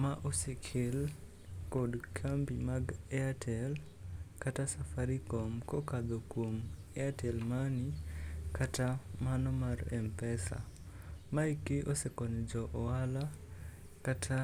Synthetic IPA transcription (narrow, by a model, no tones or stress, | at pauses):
maʔosekʰɪl | kɔdkʰambimaɡɛatʰɛl | katasafaɾikɔmkɔkad̪okwomɛatʰɛlmanikatamanɔmaɾɛ̰mpɛsa̰maikɪʔosekɔɲɔd͡ʒɔʔɔwala | katʰa